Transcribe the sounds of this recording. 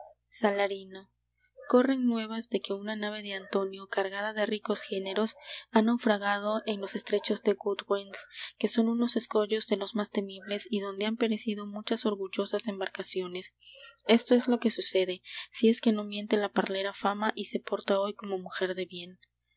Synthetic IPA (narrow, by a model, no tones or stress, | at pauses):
salaɾino̞ | ko̞re̞ŋnwe̞β̞azðe̞ke̞unanaβ̞e̞ðe̞ant̪o̞njo̞kaɾɣaðaðe̞riko̞sxe̞ne̞ɾo̞sanawfɾaɣað̞o̞ʔe̞nlo̞se̞st̪ɾe̞t͡ʃo̞zðe̞ɣud̪wenske̞so̞nuno̞se̞sko̞ʝo̞zðe̞lo̞zmast̪e̞miβle̞siðo̞nd̪e̞ampe̞ɾe̞sið̞o̞mut͡ʃaso̞ɾɣuʝo̞sase̞mbaɾkasjo̞ne̞se̞st̪o̞e̞zlo̞ke̞suse̞ðe̞sie̞ske̞no̞mje̞nt̪e̞lapaɾle̞ɾafamaʔise̞po̞ɾt̪ao̞jko̞mo̞muxe̞ɾðe̞βje̞n